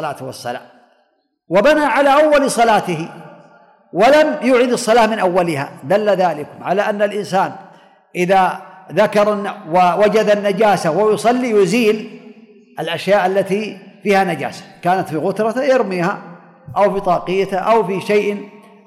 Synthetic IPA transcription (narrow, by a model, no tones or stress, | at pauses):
laːt̪wɑsˤːɑ̰la̰ː | wabanaʕalaːʔawːalsˤɑlaːt̪ɪɦɪ | walamjʊːʕɪd̪ɑsˤːɑlaːmɪnʔawːalɪha̰ːd̪alːaðaːlɪkʊmʕalaːʔanːalʔɪnsaːn | ʔɪðaðakɑɾˤnːawawad͡ʒad̪anːad͡ʒaːsawajʊsˤɑlːijʊziːl | ʔalʔaʃjaːʔalːat̪ifiːhanad͡ʒa̰ːsḁkaːnat̪fiɣʊt̪ɾˤɑjɑɾmiːha̰ | ʔawfiːt̪ˤɑːqɪjːat̪ʔawfiʃajʔɪ